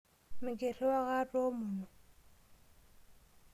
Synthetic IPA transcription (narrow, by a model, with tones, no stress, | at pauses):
mɪ˨kʼe˨rɪ˦wa˦ɣa˦tʼo˦mʊː˨nɔ˨